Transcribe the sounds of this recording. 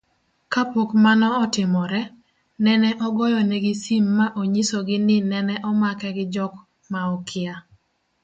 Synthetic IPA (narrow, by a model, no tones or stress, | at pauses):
kapokmanɔːtɪmɔɾɛ | nɛnɛʔɔɡɔjɔnɛɡɪsimːaʔoɲisoɡɪnɪnɛnɛʔɔmakɛɡɪd͡ʒɔk | maɔkʰɪa